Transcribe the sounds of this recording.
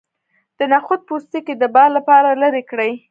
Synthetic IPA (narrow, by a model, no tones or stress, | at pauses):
d̪̥ənaxʊd̪̚pust̪iked̪əbɑlːapɑɾaləɾekɽəj